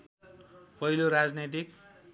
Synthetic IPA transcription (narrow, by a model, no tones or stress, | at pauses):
pʌɦiloɾad͡znʌt̪̬ik